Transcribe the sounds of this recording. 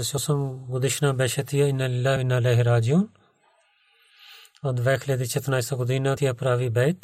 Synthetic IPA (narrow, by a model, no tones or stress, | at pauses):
sosɐmɡʊd̪ɪʃnaːbeːʃɐt̪ijaɪnːalɪlːaːɪnːaleːɦɾaːd͡ʒjuːn | ɐd̪ʋɛːkʰled̪it͡ʃɐt̪naːɪsɐɡʊd̪iːnaːt̪ʰijaːpɾaːʋiːbɛɪt̪